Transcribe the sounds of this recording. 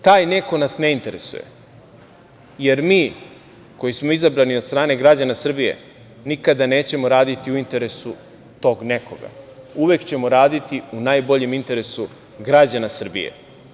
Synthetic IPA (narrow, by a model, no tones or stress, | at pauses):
t̪aːjne̞ko̞nasne̞int̪e̞ɾḛsṵjḛ | je̞ɾmiː | ko̞jismoizabɾaniost̪ɾaːne̞ɡɾad͡ʑanasr̩bije̞̰ | nikad̪ane̞ːt͡ɕe̞mo̞ɾaːd̪it̪iuint̪e̞ɾe̞su | t̪o̞ːɡne̞ko̞̰ɡa̰uʋe̞kt͡ɕe̞mo̞ɾaːd̪it̪iunajbo̞ʎe̞mint̪e̞ɾe̞su | ɡɾad͡ʑanasr̩bḭjḛ